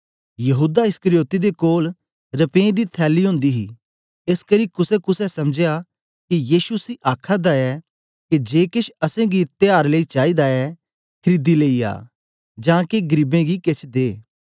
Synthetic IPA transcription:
jɐɦuːd̪aɪskəɾɪjoːt̪id̪ekoːl | ɾɐpẽːd̪it̪ʰɛːliɦõːnd̪iɦḭ | ɪskɐɾiːkʊsɛkʊsɛsɐmd͡ʒeja | kijiːʃusiʔaːkʰad̪aɛ | ked͡ʒeːkɪʃʰɐsẽɡit̪ɪjaːɾləit͡ʃaːid̪aɛ | kʰɐɾid̪ileia̰ː | d͡ʒãːkeɡəɾiːbẽɡiket͡ʃʰd̪eː

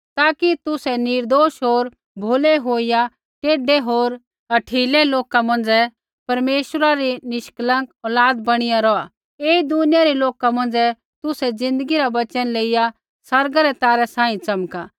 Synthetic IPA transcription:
t̪aːkit̪ʊsɛnɪɾd̪oːʃɦoːɾ | bʱoːlɛɦoːija | ʈeːɖɛɦoːɾ | ɐʈʰiːlɛloːkamɐ̃nd͡zɛ | pɐɾmeːʃɾaɾinɪʃklə̃kɔːlaːd̪bɐɽ̃ɪjaɾɔa | eːid̪ʊnɪjaɾiloːkamɐ̃nd͡zɛ | t̪ʊsɛd͡zɪ̃nd̪əɡiɾaʋɐt͡ʃənleːɪja | sɐɾɡaɾɛt̪aːɾɛsãːĩt͡sɐmka

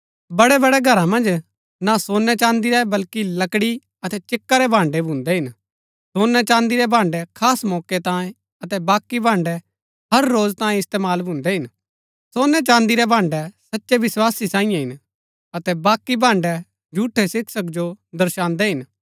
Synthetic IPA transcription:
bɐɽɛbɐɽɛɡʱɐɾãmɐ̃nd͡ʒ | nasoːnːɛt͡ʃãːnd̪iɾɛbɐlkilɐkɽi | ɐt̪ɛt͡ʃɪkːaɾɛbʱãːɳɖɛbʱʊ̃nd̪ɛɦɪn | soːnɛt͡ʃãːnd̪iɾɛbʱãːɳɖɛkʰaːsmɔːket̪ãːẽ | ɐt̪ɛbaːkːibʱãːɳɖɛ | ɦɐɾːoːd͡ʒt̪ãːjẽɪst̪eːmaːlbʱʊ̃nd̪ɛɦɪn | soːnːɛt͡ʃãːnd̪iɾɛbʱãːɳɖɛsɐtːʃɛʋɪswaːsisãːɪ̃jãɦɪn | ɐt̪ɛbaːkːibʱãːɳɖɛ | d͡ʒʱuːʈʰːɛsɪksəkd͡ʒod̪ɐɾʃãːnd̪ɛɦɪn

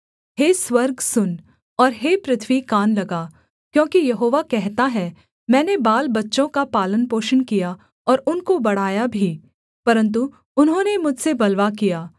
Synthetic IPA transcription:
ɦeːswɐɾɡsʊn | ɔːɾɦeːpɾɪt̪ʰʋikaːnlɐɡaː | kjõːkijɐɦoːʋakɛɦt̪aɦɛ | mɛ̃ːnebaːlbɐtːʃõkapaːlənpoːʃənkija | ɔːɾʊnkobɐɽ̤aːjabʱi | pɐɾə̃nt̪̬u | ʊnɦõːnemʊd͡ʒʱsebɐlʋakijaː

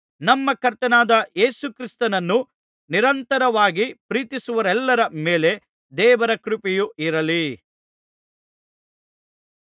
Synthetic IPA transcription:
nɐmːɐkɐɾt̪ɐnaːd̪ɐeːsukɾist̪ɐnɐnːu | niɾɐnt̪ɐɾɐʋaːɡipɾiːt̪isuʋɐɾɛlːɐɾɐmeːle̞ | d̪ɛːʋɐɾɐkɾupijuʔiɾɐli

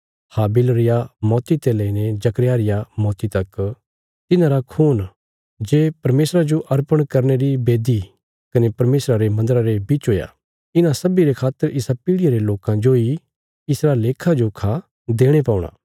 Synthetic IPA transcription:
haːbɪlɾɪjamɔːt̪it̪elɐined͡ʒɐkɾjaːɾɪjamɔːt̪it̪ɐk | t̪ɪnãɾakʰuːn | d͡ʒeːpɐɾmeːsɾad͡ʒoʔɐɾpəɽ̃kɐɾneɾibeːd̪i | kɐnepɐɾmeːsɾaɾemɐ̃nd̪əɾaɾebit͡ʃɦoːja̰ | ɪnãsɐbiɾekʰaːt̪ːəɾʔɪsapɪːɽɪjaɾeloːkãd͡ʒoi | ɪsɾaːleːkʰad͡ʒokʰa | d̪eːɽ̃epaːʊɽ̃a̰ː

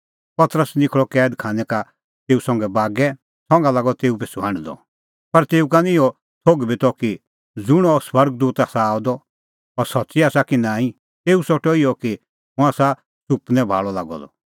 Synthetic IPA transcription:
pɐt̪ɾəsnɪkʰɭɔkɛːd̪kʰaːnɛka | t̪eːusɔ̃ŋɡɛbaːɡɛ | sɔ̃ŋɡalaːɡɔt̪eːup̬esuãɽ̃id̪ɔ̰ | pɐɾt̪eːukanɪɔ | t̪ʰoɡbit̪ɔki | d͡zʊɽ̃ɔswɐɾɡ̚d̪uːt̪aːsaaːud̪ɔ | ɔɾsɐtːsiaːsakinãːĩ | t̪eːusɔʈɔiɔki | mʊ̃aːsa | supnɛ̃bʱa̰ːɭɔla̰ːɡɔ̰d̪ɔ̰

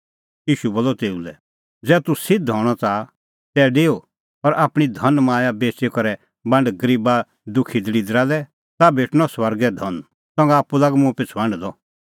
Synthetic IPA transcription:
jiːʃuboːlɔt̪eːulɛ | d͡zɛːt̪usɪd̪̚d̪ʱɔːɽ̃ɔt͡sa | t̪ɛɖeːo | ɔɾʔaːpɽ̃id̪ʱɐnmãːjabeːt͡ʃekɔɾɛ | bɐ̃ɳɖɡɐɾiːba | d̪ʊkʰid̪əɽid̪ɾalɛ | t̪abʱeːʈñɔswɐɾɡɛd̪ʱɔn | sɔ̃ŋɡaaːpːulaɡmũpɪt͡sʰbɐ̃ɳɖd̪ɔ

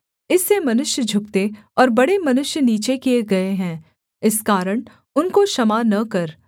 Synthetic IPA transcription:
ɪsːemɐnʊʃjəd͡ʒʱʊk̚t̪e | ɔːɾbɐɽemɐnʊʃjəniːt͡ʃekieɡɐeɦɛ̃ː | ɪskaːɾəɽ̃ | ʊnkoʃɐmaːnɐkɐɾ

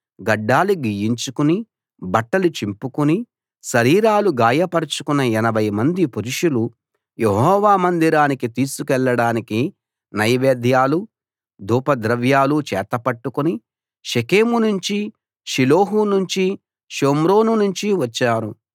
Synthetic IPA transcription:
ɡɐɖːaːluɡiːjiɲt͡ʃukuni | bɐʈːɐlut͡ʃimpukuni | ʃɐɾiːɾaːluɡaːjɐpɐɾɐt͡ʃukunːɐɛnɐbʱɐjmɐnd̪ipuɾuʂulu | jeɦɔːʋaːmɐnd̪iɾaːnikit̪iːsukɛɭːɐɽaːniki | nɐjʋeːd̪ʱjaːlu | d̪ʱuːpɐd̪ɾɐʋjaːlut͡ʃɛːt̪ɐpɐʈːukuni | ʃekeːmunuɲt͡ʃi | ʃiloːɦunuɲt͡ʃi | ʃoːmɾo̞ːnunuɲt͡ʃiʋɐt͡ʃːaːɾu

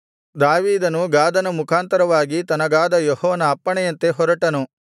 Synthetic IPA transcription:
d̪aːʋiːd̪ɐnuɡaːd̪ɐnɐmukʰaːnt̪ɐɾɐʋaːɡit̪ɐnɐɡaːd̪ɐjɔhɔːʋɐnɐːpːɐɳɛjɐnt̪e̞ɦɔɾɐʈɐnu

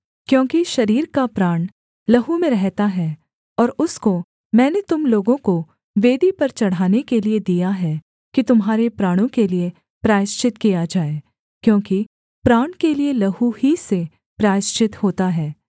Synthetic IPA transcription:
kjõːkiʃɐɾiːɾkapɾaːɳ̃ | lɐɦumẽɾɛɦt̪aɦɛː | ɔːɾʊsko | mɛ̃ːnet̪ʊmloːɡõko | ʋeːd̪ipɐɾt͡ʃɐɽ̤aːnekelied̪ijaɦɛ | kit̪ʊmɦaːɾepɾaːɽ̃õkelie | pɾaːɪʃt͡ʃɪt̪kijad͡ʒaːe | kjõːki | pɾaːɳ̃kelielɐɦuɦise | pɾaːɪʃt͡ʃɪt̪hoːt̪aɦɛː

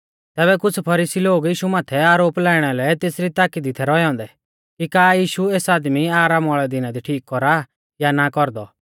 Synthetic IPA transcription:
t̪ɛːβɛkʊt͡sʰpʰɐɾiːsiloːɡjiːʃumaːt̪ʰɛaːɾoːplɛːɽ̃ɛlɛt̪eːsɾit̪aːkid̪it̪ʰɛɾɔɛɔ̃nd̪ɛ | kikaːjiːʃueːsaːd̪miaːɾaːmɔːɭɛd̪ɪnad̪iʈʰiːkːɔɾa | janakɔɾd̪ɔ

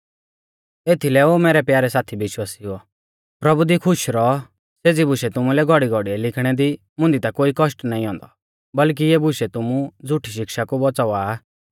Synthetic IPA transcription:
eːt̪ʰilɛoːmɛːɾɛpjaːɾɛsaːt̪ʰibɪʃwaːsiɦʊɔ | pɾɐbud̪ikʰʊʃɾɔ | seːd͡zibʊʃɛt̪ʊmũlɛɡʱɔɽiɡʱɔɽiɛlɪkʰɽ̃ɛd̪i | mʊ̃nd̪it̪akoːikɔʃʈnaːĩɦɔ̃ːnd̪ɔ | bɐlk̬ieːbʊʃɛt̪ʊmũd͡zʱʊʈʰiʃ̬ɪkʃakubɔt͡saaː

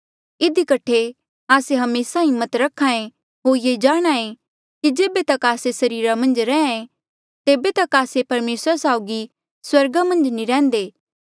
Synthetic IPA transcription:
ɪd̪ikɐʈʰe | aːseɦɐmeːsaɦɪmːət̪ɾɐkʰːaːẽ | ɦoːɾjed͡ʒaːɽ̃aẽ | kid͡ʒeːbet̪ɐkaːsesɐɾiːɾamɐ̃nd͡ʒɾɛ̃ːẽ | t̪eːbet̪ɐkaːsepɐɾmeːsɾasaːʊɡi | swɐɾɡamɐ̃nd͡ʒniɾɛ̃ːnd̪eː

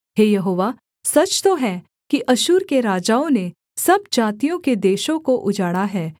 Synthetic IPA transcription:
ɦeːjɐɦoːʋaː | sɐt͡ʃt̪oɦɛ | kiʔɐʃuːɾkeɾaːd͡ʒaːõne | sɐbd͡ʒaːt̪ijõked̪eːʃõkoʔʊd͡ʒaːɽaɦɛː

